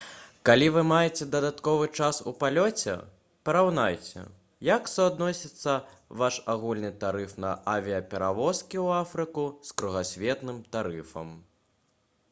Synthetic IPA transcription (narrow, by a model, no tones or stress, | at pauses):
kalʲivɨmajɛt͡sʲɛd̪ɐd̪at̪kɔvɨt͡ʂasṵpalʲɔt͡sʲɛ̰ | pɐɾawnajt͡sʲɛ̰ | jaksuad̪nɔsʲit̪sːɐ | vaʂaɣulʲnɨt̪aɾɨfnɐ̰ʔavʲiɐpʲɛɾavɔskʲiwafɾɨkuskɾuɣasʲvʲɛt̪nɨmt̪aɾɨfɐ̰m